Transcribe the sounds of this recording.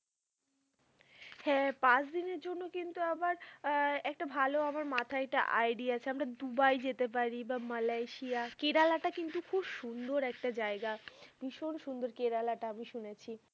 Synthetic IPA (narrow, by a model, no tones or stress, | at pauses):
hɛpãt͡ɕd̪ineɾd͡ʑonːokint̪uabaɾɛk̚ʈabʱaloamaɾmat̪ʰaɛk̚ʈa̰ʔa̰jɖiat͡ɕʰeamɾad̪ubajd͡ʑet̪ep̬aɾibamalajʃiakeɾalaʈakint̪ukʰubʃund̪oɾɛk̚ʈad͡ʑaeɡab̥iʃonʃund̪oɾkeɾalaʈaamiʃunet͡ɕʰi